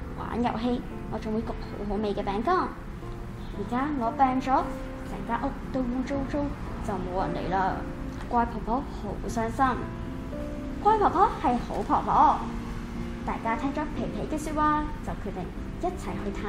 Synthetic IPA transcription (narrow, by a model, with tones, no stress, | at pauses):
wʔa̰ː˨˥njɐ̰˨˩wɦe˧j | ŋɔː˨˧t͡sʊ˨ŋwu˨˧˦jkɔː˧ho̰˨˥wɦo˨˥wme˨˧jkɛː˧pɛː˨˥ŋkɔː˥˩ŋ | jiː˨˩kaː˥ŋɔː˨˧pɛː˧ŋt͡ʃɔː˨˥ | sɛː˨˩ŋkaː˥ʔo˨˥t̪o˧wju˧ŋt͡so˥wt͡so˥w | t͡sɐ˨wmo˨˧wjɐ˨˩nlḛ˨˩jlaː˧ | kʷaː˧jpʰɔ˨˩pʰɔː˥ho̰˨˥wsœː˥ŋsɐ˥m | kʷaː˧jpʰɔː˨˩pʰɔː˨˥whɐ˨jho̰˨˥wpʰɔː˨˩ŋpɔ̰ː˨˥ | t̪aː˨jkaː˥t̪ʰɛː˥ŋt͡ʃɔː˨˥pʰe˨˩jpʰe˨˥jkɛː˧syː˧t̚waː˧t͡sɐ˨wkʰɵ˨˧t̪e˨˩ŋ | jɐ˥t̚t͡sʰɐ˨˩jhɵ˧t̪ʰaː˧˥